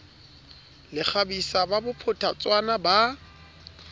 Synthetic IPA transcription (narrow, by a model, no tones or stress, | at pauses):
lɪk͡xʰabisababʊpʰʊtʰat͡sʼwanaba